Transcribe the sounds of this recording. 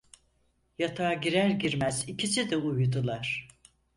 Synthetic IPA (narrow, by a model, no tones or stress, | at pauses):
jat̪ʰaːɟiɾæɾɟiɾmæzicʰisid̪ɛujd̪ulˠaɾ̥